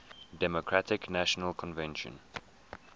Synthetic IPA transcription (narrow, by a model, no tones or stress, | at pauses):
dɛmokʰɹatɪknaʃənəlkʰɔ̃nvɛ̃nʃə̰̃n